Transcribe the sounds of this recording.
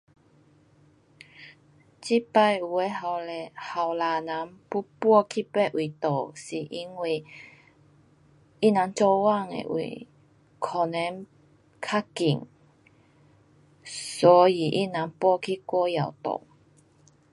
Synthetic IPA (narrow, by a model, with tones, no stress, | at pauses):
t͡ɕi˦˥pa˧ju˨˩e˧˦a˨ha˨wla˨˩nã˨˦npu˦˥pwɔ˥˧kʰi˦pɛ˥˦˩ʔʔwʔi˨t̪o˨˩si˨˩ʔi˧˦˥ŋwi˧˩ | i˦˥nã˨˦ŋt͡sɔ˧wa˥˧˨ŋḛ˨ʔwḭ˨˩ | kʰɔ˨nɛ˨˦n | kʰa˥ki˨˩ŋ | sɔ˨˦i˨˩ʔḭ˦˨nã˨˦ŋpwɔ˥˧kʰi˦kwɔ˥˦ja˨˩wt̪o̰˨˩